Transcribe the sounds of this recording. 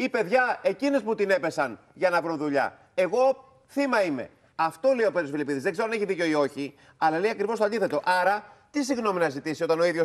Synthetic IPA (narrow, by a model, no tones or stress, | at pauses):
ipe̞ðʝɐe̞cinesput̪ine̞pe̞sɐn | ʝɐnɐvɾoðuʎɐ̰ | e̞ɣo̞ | θimɐime̞̰ | ɐft̪o̞leio̞pe̞t̪ɾosfilipiðizðeɡze̞ɾoɐneçiðico̞io̞çi | ɐlɐle̞iɐkɾivot̪oɐnd̪iθe̞t̪o̞ʔɐɾɐt̪isiɣno̞minɐzit̪isio̞t̪ɐno̞iðʝo